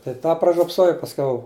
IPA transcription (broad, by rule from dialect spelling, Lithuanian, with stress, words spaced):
tɐɪ ˈtɑː prɐʒʲoːpˈsoːjɛʊ pɐsʲˈkʲɛʊ